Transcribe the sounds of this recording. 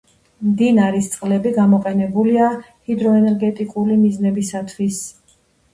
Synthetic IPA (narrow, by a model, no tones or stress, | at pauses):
md̪inaɾist̪sʼqʼlɛbiɡamɔqʼɛnɛbulia | hid̪ɾɔɛnɛɾɡɛt̪ʼikʼulimiznɛbisat̪ʰwis